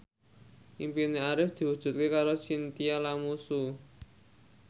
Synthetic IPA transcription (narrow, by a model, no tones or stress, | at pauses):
ʔimpineaɾɪfd̪̥i̤wud̥ʒ̥ṳt̪̚kekaɾot͡ʃint̪ialamusu